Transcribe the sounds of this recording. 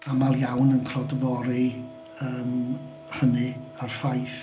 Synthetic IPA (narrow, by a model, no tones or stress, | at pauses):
amaljawnənkʰrɔdəvɔɾi | əːm | rənɨar̥fajθ